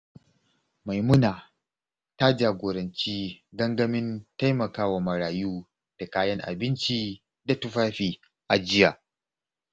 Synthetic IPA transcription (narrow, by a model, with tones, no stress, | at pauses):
ma˨jmʊ˦naː˨ | ta˦d͡ʒaː˨ɡʷoː˨ɾɐ˨nt͡ʃiː˦ɡɐ˦ŋɡɐ˦mɪ˦nta˦jmɐ˨kaː˦wa˨mɐ˨ɾaː˨juː˦ | d̥a˨kaː˦jɐ˦ŋʔa̰˨bɪ˦nt͡ʃiː˦ | da˨tʊ˦ɸaː˦ɸiː˨ | ʔa˨d͡ʒɪ˦jaː˨